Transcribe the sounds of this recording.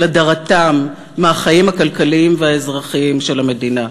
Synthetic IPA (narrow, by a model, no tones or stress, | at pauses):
ladaʁatamː | eaχajimakalkaliimveaezʁaχiimʃe̞lame̞dina